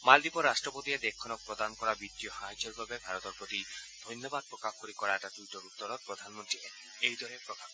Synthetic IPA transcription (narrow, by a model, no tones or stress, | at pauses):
mald̪ipɔɾasʈɾɔpot̪ied̪ekʰːɔnɔk̚pɾɔd̪anɔkɔɾabit̪ːijɔhaɦid͡ʒɔɾbabebʱaɾɔt̪ɔɾpɾot̪id̪ʱɔjnjɔbad̪̚pɾɔkakoɾikɔɾaɛʈaʈwiʈɔɾut̪ːɔɾɔpɾɔd̪ʱanmont̪ɾie | ejd̪ʱɔɾepɾɔkap